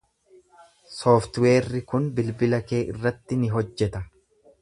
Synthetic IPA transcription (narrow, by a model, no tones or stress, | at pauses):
soːft̪we̞ːrːɪkʊnbɪlbɪlɐke̞ːʔɪrːɐt̪ːɪnɪɦɔd͡ʒːɛt̪ɐ